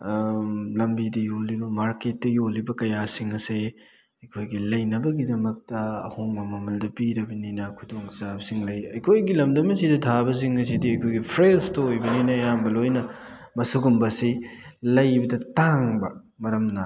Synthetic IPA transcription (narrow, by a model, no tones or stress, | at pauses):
lɐmbidɐjolibɐmaɾket̚ːɐjolibɐkɐjasiŋɐse | ɐjkʰojɡilɐjnɐbɐɡidɐmɐk̚tɐɐ̰hoŋmɐmɐmɐldɐpiɾɐbɐninɐkʰudoŋt͡ʃabɐsiŋlɐjɐjkʰojɡilɐmdɐmɐsidɐtʰabɐs̬iŋɐs̬idiɐjkʰojɡipʰɾelstɐojbɐninɐːjambɐlojnɐ | mɐsuɡumbɐsilɐjbɐdɐtaŋbɐ | mɐɾɐmnɐ